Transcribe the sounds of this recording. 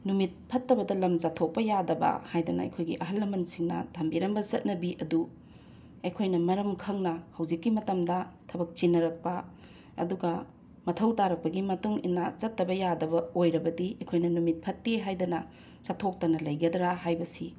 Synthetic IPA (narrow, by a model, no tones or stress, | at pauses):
numit̚pʰɐtːɐbɐdɐlɐmzatʰok̚pɐjadɐbɐ̰hajdɐnɐ̰ɐ̰jkʰojɡiʔɐɦɐlːɐmɐnsiŋnɐ̰tʰɐmbiɾɐmbɐzɐt̚nɐbiʔɐdu | ɐjkʰojnɐmɐɾɐmkʰɐŋnɐhɐwd͡ʒikːimɐtɐmdɐtʰɐbɐk̚t͡ʃinɐɾɐk̚pɐ | ɐ̰duɡɐ | mɐtʰɐwtaɾɐk̚pɐɡimɐtuŋḭnːɐzɐtːɐbɐjadɐbɐojɾɐbɐdiɐjkʰojnɐnumit̚pʰɐtːeɦajdɐnɐ | zatʰok̚tɐnɐlɐjɡɐdɾaɦajbɐsi